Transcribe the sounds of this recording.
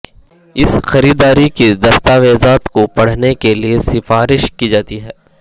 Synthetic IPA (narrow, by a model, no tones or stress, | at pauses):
ɪsxɐɾiːd̪aːɾikid̪ɐst̪aːʋeːzaːt̪kopɐɽ̤nekeliesɪfaːɾɪʃkid͡ʒaːt̪iɦɛː